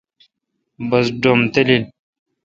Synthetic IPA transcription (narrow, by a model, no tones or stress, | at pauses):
bɐsɖomt̪elil